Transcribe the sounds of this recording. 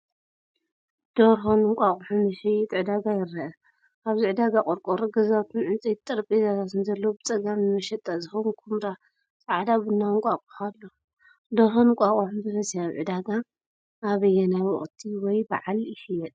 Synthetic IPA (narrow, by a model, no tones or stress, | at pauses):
d̪̥oɾɦonɨŋkʷʼaχʼuħumɨʃɐjɛt̪ʼʕɨd̪aɡajɪɾɐʔɐ | ʔaβzɨʕɨd̪aɡakʼoɾkʼoɾɡɐzawt̪ʰunʕɨnt͡sʼitt̪ʼɐɾpʼizat̪ʰat̪ʰɨnzɐlːɐwbɨt͡sʼɐɡamnɨmɐʃɐt̪ʼːazɨxonkʰumɾa | t͡sʼaʕad̪aβɨnːaŋkʷʼakʼu̥xalːo | d̪oɾɦonŋkʷʼakʼuħumbɨfɐsjaβʕɨd̪aɡa | ʔːβɨjːɛnajwɔχʼt̪ʰiwɔjbaʕalɪfɨjːɛt̪ʼ